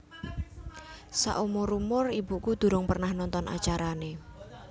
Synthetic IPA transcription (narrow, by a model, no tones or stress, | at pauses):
sa̰ʔumoɾumʊribṳkud̪̥ṳɾʊŋpərnahnɔnt̪ɔnʔa̰t͡ʃaɾane